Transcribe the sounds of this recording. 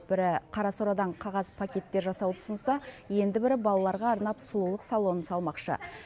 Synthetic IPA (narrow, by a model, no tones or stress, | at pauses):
bɪɾɪqʰɑɾɑsoɾɑd̪ɑɴqʰɑʁɑzpʰakʲe̞t̪ːe̞ɾʒɑsɑwət̪ʰʊ̥sənsɑje̞nd̪ɪbɪɾɪbɑlˠɑlˠɑɾʁɑːɾnɑpsʊlˠulˠəqsɑlˠo̞nəsɑlˠmɑqʃə̰